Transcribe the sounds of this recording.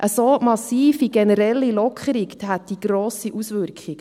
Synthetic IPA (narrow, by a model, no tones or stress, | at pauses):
ʔəsoːmɑsiːfiɡɛnəɾɛlːilɔkʰχəɾikɦæt̚d̥iɡ̥ɾoːsiʔusʋʏɾkχiɡ